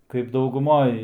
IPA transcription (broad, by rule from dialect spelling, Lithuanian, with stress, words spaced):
kɐɪp dɐʊɡʊˈmoːj